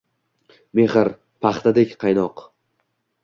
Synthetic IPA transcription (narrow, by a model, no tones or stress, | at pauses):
me̞χɪɾ | pʰɑχt̪ʰad̪ekʲqʰɑjnɒq